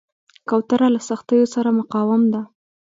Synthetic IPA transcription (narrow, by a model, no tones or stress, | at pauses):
kawt̪aɾalasaxt̪əjosaɾamʊqɑwamd̪a